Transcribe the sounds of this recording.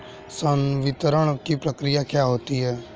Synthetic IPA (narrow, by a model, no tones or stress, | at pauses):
sənʋɪt̪ɾəɽ̃kipɾəkɾɪjakjaːɦoːt̪iɦɛː